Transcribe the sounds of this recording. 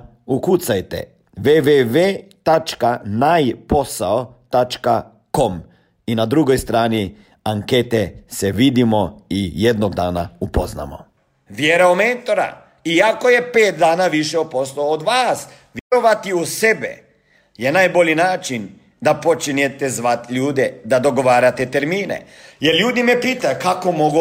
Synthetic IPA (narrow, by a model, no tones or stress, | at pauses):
ukut̪sajt̪ḛ | ʋeʋeʋeːt̪at͡ʃkanajpo̞saot̪at͡ʃka | ko̞m | inad̪ɾuɡojst̪ɾaːni | aŋket̪eseʋid̪imoijed̪noɡd̪aːna̰upozna̰mo̰ | ʋjeɾaomeːnt̪o̞ɾa̰ | iako̞je̞peːt̪̚d̪aːnaʋiʃeopo̞sloːd̪ʋaːs | ʋjeɾoʋat̪iuse̞bḛ | jenajbo̞ʎinaːt͡ʃin | d̪apo̞t͡ʃinet̪ezʋat̪ʎuːd̪ed̪ad̪o̞ɡo̞ʋaːɾat̪et̪eɾmiːnḛ | jeɾʎuːd̪imepiːt̪ajkakomo̞ɡu